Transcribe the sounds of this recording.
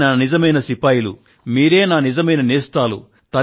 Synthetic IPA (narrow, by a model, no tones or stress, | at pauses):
naːnizɐmɐjnɐsipɐːjlṵ | miːɾe̞ːnaːnizɐmɐjnɐneːst̪aːlṵ | t̪ɐ